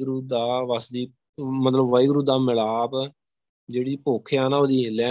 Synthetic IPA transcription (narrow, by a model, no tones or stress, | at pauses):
ɡɾuːd̪aːʋəsd̪iː | mət̪ləbʋəiɡɾuːd̪aːmɪlaːb | d͡ʒeːɽiːpoːkʰejaːnaːoːd̪iːlɛː